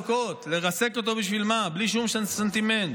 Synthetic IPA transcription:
ko̞t̪le̞ʁase̞ko̞t̪o̞biʃvilmabliʃ̬umsensent̪iment̪

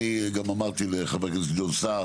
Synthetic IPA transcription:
iɡamamaʁt̪ileχaveketɡd̪olsa

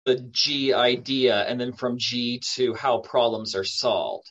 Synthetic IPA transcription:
ɨd͡ʒiaɪdiɨɨ̰̃nðɨ̃nfɹʌ̃md͡ʒitʰɨhaʊpʰɹ̥ɑblə̃mzə˞sɑ̰lˠvd̥

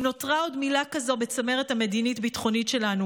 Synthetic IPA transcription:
no̞tʁao̞dmilakazo̞bet͡same̞ʁethame̞dinitbitχo̞nitʃe̞lanu

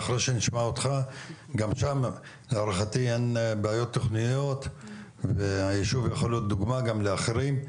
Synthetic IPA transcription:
aχɾeʃeniʃmaot̪χaɡamʃam | leaɾaχat̪ienbeajo̞t̪ːoχnijo̞t̪ | veajiʃuvjeχoljot̪̚d̪uɡmaɡamleaχeɾim

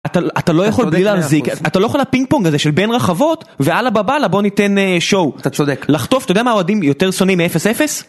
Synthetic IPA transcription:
at̪aʔat̪alo̞jaχo̞lblileazikat̪alojaχolapiŋɡ̚poŋɡazeʃelbe̞nʁaχavo̞t̪vealababalabo̞nit̪e̞neʃowt̪aodeklaχt̪o̞ftajodeamaoadimjot̪eʁso̞nimːiefesefe̞s

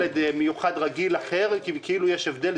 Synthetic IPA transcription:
ed̪mejuχad̪ʁaɡilaχeʁkikʰiilujeʃevd̪el

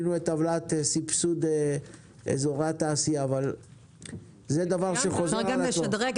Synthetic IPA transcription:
nuet̪avlat̪esipsud̪e | ḛzoʁat̪aːsijaːval | zed̪avaʁʃeχozaodʁe

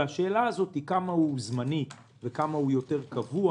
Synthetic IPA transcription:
aʃe̞ːlaːzo̞t̪hikamahuzmanit | vekamahujo̞te̞ʁkavua

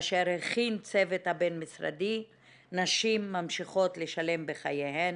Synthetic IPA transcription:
ʃeɾheχint͡sevet̪habenmisʁa̰d̪i | naʃimːamʃiχo̞t̪leʃale̞mbeχajehen

